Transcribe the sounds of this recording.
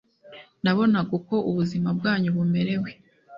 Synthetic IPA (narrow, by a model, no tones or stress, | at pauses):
naβo̞naɡuko̞uβuzimab̚ɡaːɲuβume̞ɾe̞we̞